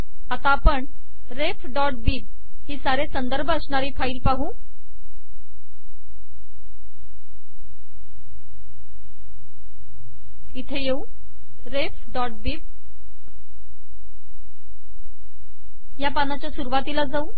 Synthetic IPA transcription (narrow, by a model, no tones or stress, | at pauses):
at̪apəɳ | ɾefɖɔʈ̚biːb̚ | ɦiːsaɾesənd̪əɾbʱəəsɳaɾiːfaiːlpaɦũː | it̪ʰejeũ | ɾefɖɔʈ̚biːb̚ | japanat͡ɕjasuɾuʋat̪ilad͡zaũ